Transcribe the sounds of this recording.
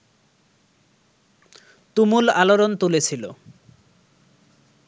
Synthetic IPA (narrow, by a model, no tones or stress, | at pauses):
t̪umulaloɾont̪ulet͡ɕʰilo̰